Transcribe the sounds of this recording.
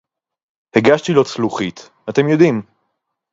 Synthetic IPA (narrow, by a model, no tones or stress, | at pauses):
heɡaʃt̪ilo̞t͡sluχit̪ | ate̞mjo̞d̪im